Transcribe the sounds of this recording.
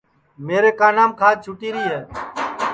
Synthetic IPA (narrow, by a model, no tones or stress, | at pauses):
meːɾeːkaːnaːmkʰaːd͡ʒ̚t͡ʃʰʊʈiːɾiːɦɛː